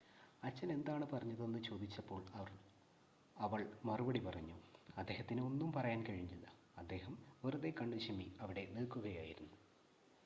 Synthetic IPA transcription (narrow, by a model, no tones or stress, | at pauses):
ɐt͡ɕːɐne̞nd̪aːɳɨpɐrɐɲːɐðenːɨt͡ɕo̞ːd̪it͡ɕːɐpːo̞ːɭɐɐ | ɐʋɐɭmɐrubɐɽipɐrɐɲːuɐd̪ːe̞ːhɐt̪ːino̞nːumpɐrɐjaːnkɐɻiɲːilʲːɐ | ɐd̪ːe̞ːhɐmʋeruðe̞kɐɳɖɐɕɐmiɐʋiɽe̞niɭkːuɣɐjaːjiɾunːu